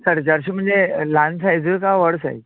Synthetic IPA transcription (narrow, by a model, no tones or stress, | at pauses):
səɾd͡ʑəɾɕim̤əɳd͡zelansajd͡zujkaʋəɽsa̰j